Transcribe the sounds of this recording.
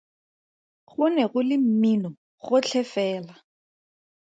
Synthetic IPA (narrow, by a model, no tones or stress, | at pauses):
χʊnɛɣʊlɪm̩minɔ | χʊt͡ɬʰɛfɛːla